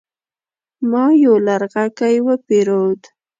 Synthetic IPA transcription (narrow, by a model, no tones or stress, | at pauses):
mɑjolaɾɣakajwəpeɾod̪